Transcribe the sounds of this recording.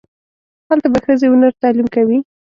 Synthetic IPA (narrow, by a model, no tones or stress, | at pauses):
halt̪abaxəzeʊnaɾt̪ɑlimkawi